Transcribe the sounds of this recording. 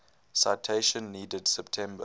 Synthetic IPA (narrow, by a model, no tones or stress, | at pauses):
saɪtʰeɪʃə̃nːiːdədsɛptʰɛ̃mbə